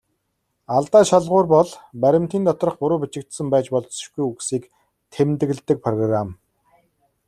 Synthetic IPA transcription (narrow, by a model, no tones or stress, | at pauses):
aɮt̪aːʃaɮʁʊːrpɔɮpæɾʲɪ̆m̥t̪iːnt̪ɔt̪rə̆χpʊɾʊːpʲit͡ɕɪ̆k̚t̪sə̆mpæːt͡ɕpɔɮɞ̥̆ʃɡujuɣsiːk | t̪ʰemt̪ɘ̆ɣ̆ɮt̪ɘ̆k̚pʰrɔɣram